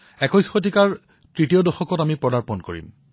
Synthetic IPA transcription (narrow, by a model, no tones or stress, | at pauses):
ɛkɔjsxotikaɹ | tɹitijɔdɔxɔkɔtamipɹɔdaɹpɔnko̰ɹḭm